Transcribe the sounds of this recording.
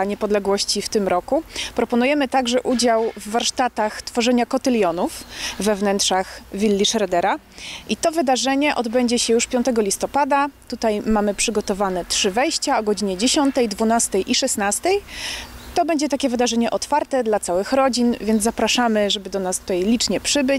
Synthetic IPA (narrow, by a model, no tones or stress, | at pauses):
ɲɛpɔd̪lɛɡwɔɕt͡ɕift̪ɘmɾɔkupɾɔpɔnujɛmɘt̪aɡʐɛʔud͡ʑawvːaɾʂt̪at̪axt̪fɔʐɛɲakɔt̪ɘlʲjɔnufːɛvnɛntʂaxvʲilːiʂɾɛd̪ɛɾa | ʔit̪ɔvɘd̪aʐɛɲɛʔɔd̪bɛɲd͡ʑɛɕɛjuʂpʲjɔnt̪ɛɡɔlʲist̪ɔpad̪at̪ut̪ajmamɘpʂɘɡɔt̪ɔvanɛtʂɘvɛjɕt͡ɕaɔɡɔd͡ʑiɲɛd͡ʑeɕɔnt̪ɛjd̪vunast̪ɛjʔiʂɛsnast̪ɛjt̪ɔbɛɲd͡ʑɛt̪akʲɛvɘd̪aʐɛɲɛʔɔt̪faɾt̪ɛd̪lat̪sawɘxɾɔd͡ʑinvʲjɛnd̪zapɾaʂamɘʐɛbɘd̪ɔnast̪ut̪ajlʲit͡ʂɲɛpʂɘbɘt͡ɕ